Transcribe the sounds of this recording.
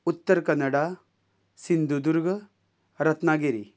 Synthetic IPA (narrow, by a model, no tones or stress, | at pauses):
ut̪ːɐɾkɐnːɐɽa | sind̪ud̪uɾɡɐ | ɾɐt̪naːɡeɾi